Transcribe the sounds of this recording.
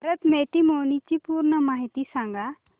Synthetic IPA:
ɾət̪met̪imonit͡ɕipuːɾɳəmaɦit̪isãŋɡa

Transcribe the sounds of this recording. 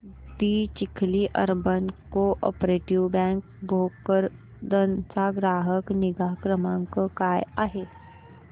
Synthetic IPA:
biːt͡ʃɪkʰliʔə̰ɾbənkoʔɔ̰ːpɾeːʈiʋbɛ̃ːŋk | bʱoːɡkəɾ | d̪ənsaɡɾaːɦəknɪɡaːkɾəmãkkaːjaːɦeː

